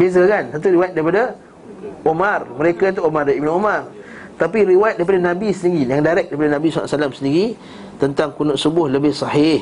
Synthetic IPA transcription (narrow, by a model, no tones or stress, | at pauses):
bias̬əkansət̪uɾiwajɛt̪̚daɾipada | ʔomarməɾekat̪uʔomardaʔibɪnomar | t̪apiɾiwajt̪̚daipadanãbisəniɾijaŋdaɾɛk̚daɾip̬adanãbisa̰a̰salamsəndiɾi | t̪ənt̪aŋkunʊʔsubʊhləbɪhsɑhɪh